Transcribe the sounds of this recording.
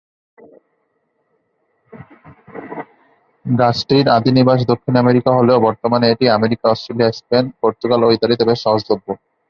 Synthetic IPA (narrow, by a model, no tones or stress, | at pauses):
ɡat͡ɕʈiɾad̪iniɾbaʃ̬d̪okʰːinameɾikaɦoleobɔɾt̪omaneeʈiameɾikaɔsʈɾeliaespenpoɾt̪uɡaloit̪aɾit̪ebeʃɔɦod͡ʑt̪obʱːo